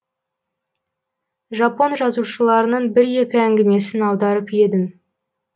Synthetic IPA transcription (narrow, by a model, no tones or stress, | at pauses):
ʒɑpo̞nʒɑzuʃəlˠɑɾənəɴbɪɾje̞kʲɪæŋɡʲɪme̞sɪnɑwd̪ɑɾəpje̞d̪ɪm